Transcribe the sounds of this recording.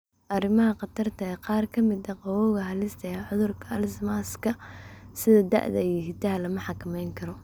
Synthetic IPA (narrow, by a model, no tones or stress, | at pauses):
ʔɐrɪmɐɦɐqɑt̪ʰɐrt̪ʰɐɛqɑːrkʰɐmɪd̪ɐqɑwɔɣɐɦɐlɪst̪ʰɐjɐʕʊðʊrkʰɐɐlsmaːskʰɐsɪðɐd̪ɐ̰ʔðɐ̰iɦɪt̪ɐɦɐlɐmɐħɑkʰɐmɛjŋkʰɐɾɔ